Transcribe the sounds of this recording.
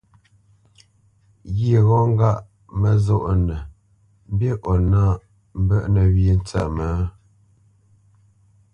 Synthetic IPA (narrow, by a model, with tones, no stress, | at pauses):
ɣi˨ɣɔ˦ŋ˦ɡa˦˨ʔ | mə˨zo˦ʔnə˨ | m˦bje˦ʔɔ˨na˦˨ | m̩˦bə˦ʔnə˨wji˦n̩˦t͡sə̰˨mə˨˦